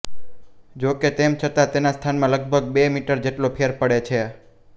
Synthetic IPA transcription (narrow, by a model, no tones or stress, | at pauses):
d͡ʒoket̪emt͡ʃʰət̪at̪enast̪ʰanmãləɡ̚bʱəɡ̚bemiʈəɾd͡ʒeʈlopʰeɾpəɽet͡ʃʰe